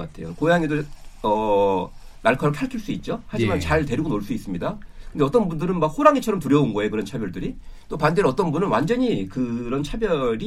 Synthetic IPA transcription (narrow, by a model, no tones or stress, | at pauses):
k͈a̰tʰe̞jo̰kojaŋe̞doʌ | naɭkʰʌɾokʰaɭkʰiɭs͈uit̚t͡ɕ͈ohad͡ʑimant͡ɕaɭte̞ɾiɡonoɭs͈uis͈ɯmɲidakɯndeʌt͈ʌnbundɯɾɯnmak̚hoɾaŋet͡ɕʰʌɾʌmtuɾjʌunɡʌekɯɾʌnt͡ɕʰabjʌɭdɯɾit͈opandeʌt͈ʌnbunɯnwand͡ʑʌɲikɯɾʌnt͡ɕʰabjʌɾi